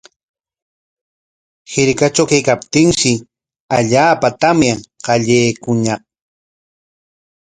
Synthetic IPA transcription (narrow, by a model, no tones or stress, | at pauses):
hɪɾkat͡ʃawkajkapt̪ɪŋʃɪ | aʎaːpat̪amjaŋqɑʎejːkʊɲɑq̚